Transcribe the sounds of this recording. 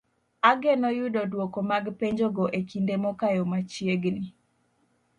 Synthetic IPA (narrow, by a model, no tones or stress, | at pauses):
aɡɛnɔjʊdodwokomaɡpeɲd͡ʒoɡoʔekindemɔkajɔmat͡ʃjeɡni